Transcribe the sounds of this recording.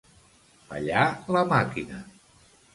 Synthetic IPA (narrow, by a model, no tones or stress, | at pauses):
pa̰ʎaləmakinə